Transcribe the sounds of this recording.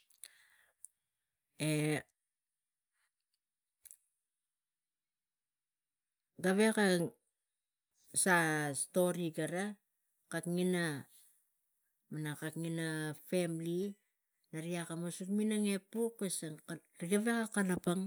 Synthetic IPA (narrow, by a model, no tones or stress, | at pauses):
e | ɡaβeka | sasto̞ɾiɡaɾa | kakŋina | manakakŋinafe̞mli | naɾiakamosutminaŋe̞pukesaŋɾiɡaβe̞kakalapaŋ